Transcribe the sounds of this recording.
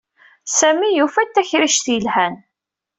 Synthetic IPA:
sæmijufæt̪ːæçɾiʃθjəlhæn

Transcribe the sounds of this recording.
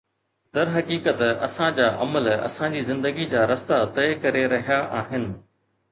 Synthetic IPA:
d̪ɐɾɦɐkiːkət̪ɐ̰sãd͡ʑaːʔɐ̰məlɐ̰sãd͡ʑiːzɪ̃nd̪əɡid͡ʑaːɾɐst̪at̪ɐekɐɾeɾɐɦijaʔaːɦɪnɪ̆

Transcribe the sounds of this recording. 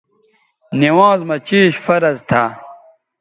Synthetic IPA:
niwãːzmɐt͡ɕiːɕfɐɾɐzt̪ʰa

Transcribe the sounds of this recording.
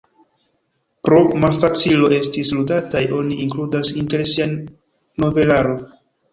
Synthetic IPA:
pɾo̞malfat͡silo̞e̞stisludatajo̞niiŋkludasinte̞ɾsia | no̞ve̞laɾo̞n

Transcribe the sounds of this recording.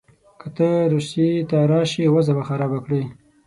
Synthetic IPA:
kət̪əɾusit̪aɾɑʃiwazabaxaɾɑbakɽi

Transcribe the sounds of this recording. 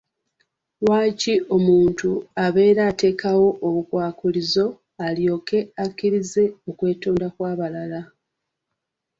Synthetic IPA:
waːciʔo̞muːntuaβe̞ːɾaːte̞ːkʰawo̞ʔːβukwaːkulizo̞ | aljo̞ːke̞akːiɾize̞o̞kwe̞ːtuːndakwaːβalala

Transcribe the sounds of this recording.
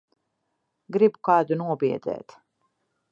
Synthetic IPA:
ɡɾibkaːd̪unuɔbiɛd̪ɛ̰ːt̪

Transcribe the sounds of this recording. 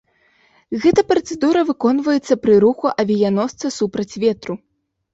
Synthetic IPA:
ɣɛt̪ɐpɾɐt̪sɛd̪uɾɐvɨkɔnvɐjɛt̪sːɐpɾɨɾuxuʔɐvʲijanɔst̪sɐsupɾɐt͡sʲvʲɛt̪ɾu

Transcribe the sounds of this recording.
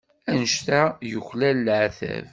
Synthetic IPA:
ænəʃt̪æjəçlælːʕθæ̰v

